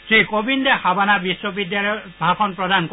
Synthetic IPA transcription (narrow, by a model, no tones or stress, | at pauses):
sikobindɛhabanabiswɔbidjalɔbʱakʰɔnpɹɔd̪ank